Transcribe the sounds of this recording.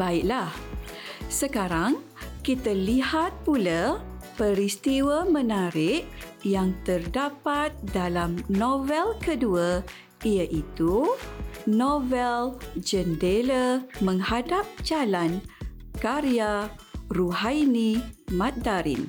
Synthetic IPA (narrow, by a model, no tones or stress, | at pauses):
baiʔlah | səkaɾaŋ | kit̪alihat̪̚pulapəɾist̪iwamə̃naɾɪʔ | jaŋt̪ərdapat̪̚dalamnovɛlkədua | ijaʔit̪u | novɛld͡ʒəndeləmə̃ŋhadap̚d͡ʒalankaɾiaruɦajnĩmãt̪̚daɾḭn